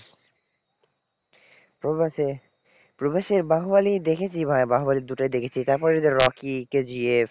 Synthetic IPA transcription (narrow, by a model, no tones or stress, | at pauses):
po | pɾobeʃeɾbaɦobalid̪ekʰet͡ɕʰibʱaebaɦobaliɾd̪uʈaed̪ekʰet͡ɕʰit̪aɾpɔɾeed̪eɾɾɔkiked͡ʑie